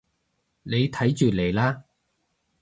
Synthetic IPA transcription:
ne˨˧jt̪ʰɐ˨˥jt͡ʃyː˨le˨˩jlaː˥

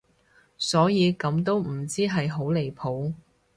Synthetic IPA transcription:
sɔː˨˥jiː˨˧kɐ˨˧mt̪̬o˥wm̩˨˩t͡siː˥ɦɐ˨jɦo˨˥wle˨jpʰo˨˥w

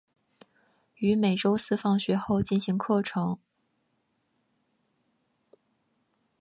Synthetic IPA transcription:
y˧˥me˨˩ɪʈ͡ʂo˥ʊsɹ̩˥fɑ˥˩ŋɕɥɛ˧˥xo˥˧ʊt͡ɕi˥˩nɕi˧˥ŋkʰɤ˥˩ʈ͡ʂʰɤ˧˥ŋ

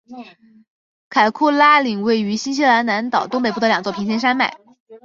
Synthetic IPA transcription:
kʰa˨˩ɪkʰu˥˩la˥li˨˩ŋwe˥˩ɪy˧˥ɕi˥nɕ̬i˥la˧˥nna˧˥nt̪ɑ˨˩ʊt̪ʊ˥ŋpe˨˩pu˥˩d̪ə˩ljɑ˨˩ŋt͡swɔ˥˩pʰi˧˥ŋɕʰɛ˥nʂa˥nma̰˥˩ɪ

